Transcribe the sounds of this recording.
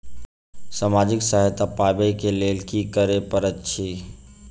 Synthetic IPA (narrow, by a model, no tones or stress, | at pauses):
saːmaːd͡ʒɪksaɦɛt̪apaːbeikeleːlkikəɾepəɾətːʃʰiː